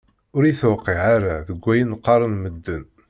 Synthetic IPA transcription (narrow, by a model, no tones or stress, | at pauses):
ʊɾiθwqːiʕaɾaðəɡʷːæjənqːɑɾˤənməd̪ːən